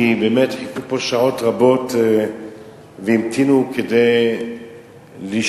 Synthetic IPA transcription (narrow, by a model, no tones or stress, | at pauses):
ibeːmetħikupoʃaʕotʁabo̞t | veimt̪ʰinukʰedej | liʃ